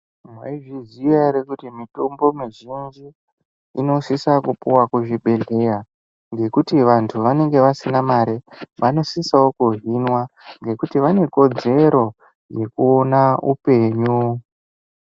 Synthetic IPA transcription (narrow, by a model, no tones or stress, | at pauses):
mwaiʐizijaɾekutimitombo̞miʒind͡ʒi | ino̞sisakupuwakuʐiɓe̞ɮe̞ra | ŋɡe̞kutiʋantʰuʋane̞ŋɡe̞ʋasinamaɾeʋano̞sisawo̞kuɦinwaŋɡe̞kutiʋane̞ko̞d͡ze̞ɾo̞ | je̞kuonaupe̞ːɲu